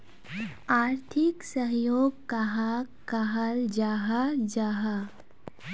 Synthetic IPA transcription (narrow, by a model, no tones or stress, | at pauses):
aːɾt̪ʰɪksəɦjoːɡ̚kaɦa | kaɦald͡ʒaːɦad͡ʒaːɦa